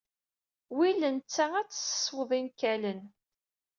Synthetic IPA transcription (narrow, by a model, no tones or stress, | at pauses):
wilənt͡sːææt͡sːə̥sə̥sˤːwəðˤinkælən